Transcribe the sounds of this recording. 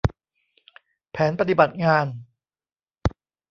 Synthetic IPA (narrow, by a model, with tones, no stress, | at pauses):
pʰɛː˩˦npa˧t̪̬i˨ba˨˩t̪̚ŋaː˧n